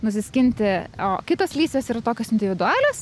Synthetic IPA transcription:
nʊsʲɪsʲkʲɪnʲt̪ʲɪoːkʲɪt̪oslʲiːsʲʋʲeːsiːɾɐt̪oːkʲoːsɪnʲd̪ʲɪʋʲɪd̪ʊɑːlʲoːs

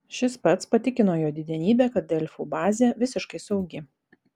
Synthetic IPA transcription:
ʃʲɪspɐt̪spɐt̪ʲɪkʲɪnoːjoːd̪ʲɪd̪ʲɛnʲiːbʲɛːkɐt̪̚d̪ʲɛlʲfuːbɑːzʲɛːʋʲɪsʲɪʃkɐɪsɐʊɡʲɪ

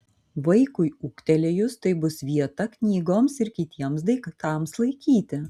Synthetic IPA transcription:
ʋɐɪkʊɪuːkt̪ʲɛlʲejʊst̪ɐɪbʊsʋʲiɛt̪ɐknʲiːɡoːmsɪɾkʲɪt̪ʲiɛmsd̪ɐɪkt̪ɑˑmslˠɐɪkʲiːt̪ʲɪ

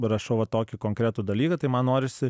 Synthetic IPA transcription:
ɾɐʃɐʊʋɐt̪oːkʲɪkoŋkɾʲæːt̪ud̪ɐlʲiːkɐt̪ɐɪmɐnnoːɾʲɪsʲɪ

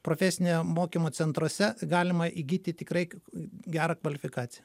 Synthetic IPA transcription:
pɾoːfʲɛsʲɪnʲejmoːkʲimoːsʲɛnt̪ɾoːsʲɛɡɑːlʲɪmɐʔiɡʲiːt̪ʲɪt̪ʲɪkɾɐɪɡʲæːɾɐkʋɐlʲɪfʲɪkɑːt̪sʲɪjɛ

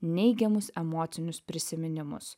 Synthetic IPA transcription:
nʲɛɪɡʲɛmʊsɛmoːt̪sʲɪnʲʊspʲɾʲɪsʲɪmʲɪnʲɪmʊ̰s

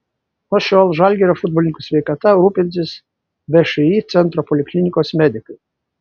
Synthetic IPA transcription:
noʃʲoːlˠʒɑlʲɡʲɛɾʲoːfʊd̪̚bɔlʲɪnʲɪkusʲʋʲɛɪkɐt̪ɐɾuːpʲɪnʲsʲɪs | ʋʲɛʃɛiːt̪sʲɛnt̪ɾɔpɔlʲɪkʲlʲɪnʲɪkoːsmʲɛd̪ʲɪkɐɪ

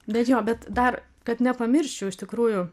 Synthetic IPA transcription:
bʲɛt̪joːbʲɛt̪d̪ɐr | kɐt̪nʲɛpɐmʲɪrʲʃʲt͡ʃʲʊɪʃt̪ʲɪkɾuːjʊ

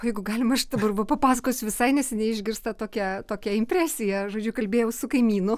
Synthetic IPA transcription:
ojɛɪɡʊɡɑːlʲɪmɐʃd̪ɐbɐrʋɐpɐpɑːsɐkoːsʲʊʋʲɪsɐɪnʲɛsʲɪnʲɛɪʒʲɡʲɪɾst̪ɐt̪oːkʲɛt̪oːkʲɛɪmʲpʲrʲæːsʲɪjɛʒoːd͡ʒʲʊkɐlʲbʲeːjɛʊsʊkɐɪmʲiːnʊ

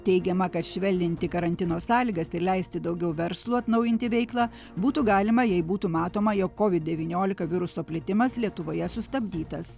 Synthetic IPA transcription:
t̪ʲɛɪɡʲɛmɐkɐt̪ʃʲʋʲɛlʲdʲɪnʲt̪ʲɪkɐɾɐnʲt̪ʲɪnoːssɑːlʲiːɡɐsɪɾlʲɛɪsʲt̪ʲɪd̪ɐʊɡʲɛʊʋʲɛɾslˠuːɐt̪nɐʊjɪnʲt̪ʲɪʋʲɛɪklˠɑː | buːt̪uɡɑːlʲɪmɐjɛɪbuːt̪uːmɑːt̪oːmɐjoːkːoːʋʲɪd̪̚ʲd̪ʲɛʋʲiːnʲoːlʲɪkɐʋʲɪɾʊsoːpʲlʲɪt̪ʲɪmɐslʲiɛt̪ʊʋoːjɛsʊst̪ɐbʲd̪ʲiːt̪ɐs

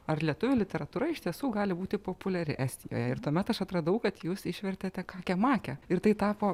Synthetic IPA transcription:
ɐrlʲiɛt̪ʊʋʲʊlʲɪt̪ʲɛɾɐt̪uːɾɐɪʃt̪ʲiɛsuːɡɑːlʲɪbuːt̪ʲɪpoːpʊlʲɛɾʲɪ̰ʔæːsʲt̪ʲɪjo̰ːjɛɪrt̪uɔmʲɛt̪ɐʃɐt̪ɾɐd̪ɐʊkɐt̪juːsɪʃʲʋʲɛrʲt̪ʲeːt̪ʲɛkɑːkʲɛmɑːkʲɛɪrt̪ɐɪt̪ɑːpoː

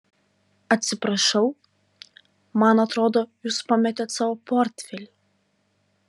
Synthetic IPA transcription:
ɐt̪ʲsʲɪpɾɐʃɐʊ | mɐnɐt̪ɾoːd̪oːjuːspɑmʲɛt̪ʲet̪sɑːʋoːpoːɾʲt̪ʲfʲɛlʲɪ

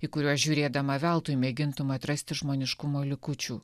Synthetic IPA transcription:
iːkʊɾʲuɔsʒʲuːɾʲeːd̪ɐmɐʋʲælˠt̪ʊjmʲeːɡʲɪnt̪ʊmɐɐt̪ɾɐsʲt̪ʲɪʒmoːnʲɪʃkʊmoːlʲɪkʊt͡ʃʲuː

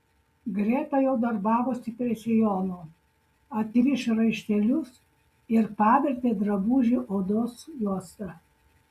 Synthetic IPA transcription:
ɡɾʲeːt̪ɑjɛʊd̪ɐɾbɑːʋosʲɪpʲɾʲiɛsʲɛjɔːno | ɐt̪ʲʋʲɪʃʲɾɐɪʃʲt̪ʲɛlʲʊs | ɪɾpɑːʋʲɛɾʲt̪ʲeːd̪ɾɐbuːʒʲiʔoːd̪osjuɔst̪ɑ

